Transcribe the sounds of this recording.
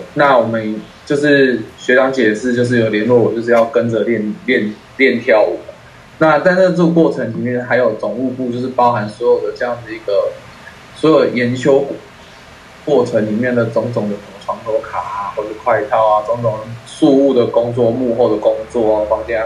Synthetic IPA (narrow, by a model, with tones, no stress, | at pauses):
na˥˨wɔ˨˩mə˦nt͡ɕjo˥˧ʊʂɻ̩˥˩ɕɥɛ˧˥ʈ͡ʂɑ˧˥ŋt͡ɕjɛ˨˩ʂɻ̩˥˧t͡ɕjʊʂ̬̩˥˩jo˨˩ʊljɛ˧˥nlwɔ˥˨wɔ˨˩t͡ɕo˥˧ʊʂ̬ɻ̩˥˧jɑ˥˩ʊkə˦nd͡zə˨ljɛ˥˩nljɛ˥˩n | ljɛ˥˨nt̪ʰjɑ˥˩ʊwɔ˨˩ | na˥˧t͡sa˥˧ɪnə˥˧t͡sə˥˧kwɔ˥˩ʈ͡ʂʰə˧˦ŋli˨˩mjɛ˥˩nxa˧˥ɪjo˨˩ʊt͡sʊ˨˩ŋu˥˧pu˥˧t͡ɕjo˥˧ʊʂɻ̩˥˩pɑ˥ʊxa˧˦nswɔ˧˥jo˨˩ʊd̪ə˩ʈ͡ʂɤ˥˧jɑ˥˩ŋd̪ə˩i˧˥ɡə˨ | swɔ˧˥jo˨˩ʊjɛ˧˦nɕjo˥ʊk | kwɔ˥˩ʈ͡ʂʰə˧˥ŋli˨˩mjɛ˥˩nd̪ə˩t͡so˧˥ŋtʊ˨˩ŋj̪ə˨˩sə˨˩mə˨˩ʈ͡ʂʰwɑ˧˥ŋlwɔ˧˥kʰa˨˩a˩xwɔ˥˧˩ə˨ʂ̩˥kʰwa˥˧ɪt̪ʰɑ˥˩ʊa˨˩t͡so˧˥ŋt̪o˨˩ŋʂu˥˧u˥˩d̪ə˩kʊ˥ŋt͡swɔ˥˧mu˥˧xo˥˩ʊd̪ə˩kʊ˥ŋt͡swɔ˥˩a˨˩fɑ˥ŋt͡ɕjɛ˥˧n˥